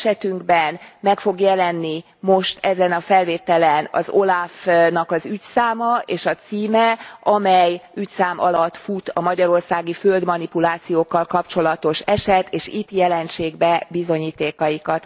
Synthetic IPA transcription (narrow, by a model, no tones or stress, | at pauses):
ʃɛt̪yŋɡbɛnmɛkfo̞ɡjɛlɛnːi | mo̞ʃt̪ɛzɛnɒfɛlveːt̪ɛlɛnɒ̰zo̞lafnɒkɒzycsaːmɒeːʃɒt̪siːmɛʔɒmɛjycsaːmʔɒ̰lɒt̪ːfut̪ɒmɒɟɒɾo̞rsaːɡiføld̪mɒnipulaːt̪sijoːkːɒlkɒpt͡ʃo̞lɒt̪o̞ʃɛʃɛt̪ʰeːʃit̪ːjɛlɛnʃeːɡbɛbizo̞ɲiːt̪eːkɒjikɒt̪